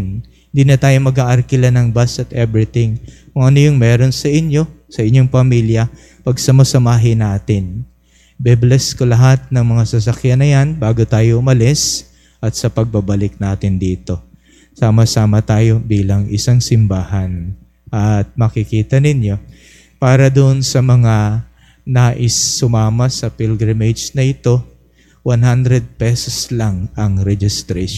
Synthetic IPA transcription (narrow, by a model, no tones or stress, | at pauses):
nhɪnd̪iːnɐt̪aːjo̞mɐɡaːʔɐɾkɪlanɐŋbasɐt̪ʔɛbɾɪt̪ɪŋkʊŋʔɐnojʊŋmɛːɾo̞nsɐʔɪɲjo̞sɐʔɪɲjo̞ŋpɐmiːljɐ | pɐɡsɐmɐsɐmaːɦɪnaːt̪ɪn | bɛblɛskolɐɦat̪̚nɐŋmɐŋasɐsɐkjanɐjanbaːɡot̪aːjoʔʊmɐlɪs | ʔɐt̪̚sɐpɐɡ̚bɐbɐlɪk̚naːt̪ɪnd̪iːt̪o̞ | saːmɐsaːmɐt̪aːjo̞biːlɐŋʔɪsaŋsɪmbaːhɐn | ʔɐt̪̚mɐkɪkiːt̪ɐnɪnjo̞ | paːɾɐd̪ʊnsɐmɐŋa | naːʔɪsːʊmaːmɐsɐpilɡɹamed͡ʒnɐɪt̪o̞ | wanɦand̪ɾɛd̪̚pɛsoslaŋɐŋɾɛd͡ʒɪst̪ɾɛ